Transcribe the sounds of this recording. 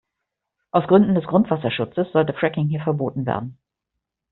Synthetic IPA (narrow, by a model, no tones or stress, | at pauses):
ʔaʊsɡ̥ʁʏndn̩dɛsɡ̥ʁʊntv̥asɐʃʊt͡səsz̥ɔltəfʁ̥ɛkɪŋhiːɐfɛɐboːtn̩vḛːɐdn̩